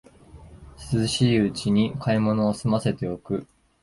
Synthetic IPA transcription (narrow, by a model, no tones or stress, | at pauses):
sɨzɨɕiːɯ̟t͡ɕiɲ̟ikaimo̞no̞ːsɨmase̞t̪e̞o̞kɯ̟